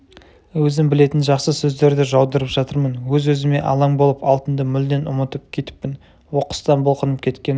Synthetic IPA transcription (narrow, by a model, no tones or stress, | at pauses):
wɵzɪmbɪle̞t̪ɪnʒɑqsəsɵzd̪e̞ɾd̪ɪʒɑwd̪əɾəpʒ̥ɑt̪əɾmənwɵzwɵzɪme̞̰ʔɑ̰lˠɑŋbo̞lˠəpɑlˠt̪ənd̪əmʏld̪e̞nʊ̰mət̪əp̚kʲʰe̞t̪ɪ̥pːɪn | wo̞qə̥st̪ɑnbolˠqənəp̚kʲʰe̞t̪kʲe̞n